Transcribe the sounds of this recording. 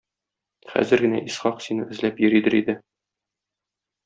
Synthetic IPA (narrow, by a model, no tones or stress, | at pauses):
χæ̰zɘɾɡɘ̆næ̰ʔisχɑqsinɤɘ̆zlæpjɵ̆ɾid̪ɘɾid̪ɘ